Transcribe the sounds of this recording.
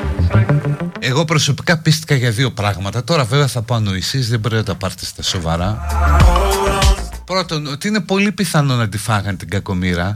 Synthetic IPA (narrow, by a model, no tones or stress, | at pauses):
e̞ɣo̞pɾo̞so̞pi̥kɐpist̪i̥xɐʝɐðio̞pɾɐɣmɐt̪ɐt̪o̞ɾɐve̞veɐθɐpoɐno̞isizðeboɾeot̪ɐpɐɾθi̥st̪ɐso̞vɐɾɐ | pɾo̞t̪o̞not̪iine̞po̞lipiθɐno̞nɐd̪ifɐɣɐnt̪iɡɐko̞miɾɐ